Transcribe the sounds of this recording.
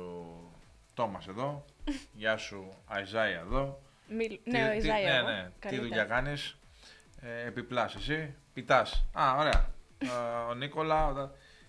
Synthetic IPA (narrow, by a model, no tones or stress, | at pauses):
t̪o̞mɐse̞ðo̞ʝɐsuɐizɐjɐeðo̞ | inene̞tiððuʎɐkɐnis | eepiplɐsesipit̪ɐsɐoɾe̞ɐ̰ | oniko̞lɐot̪ɐ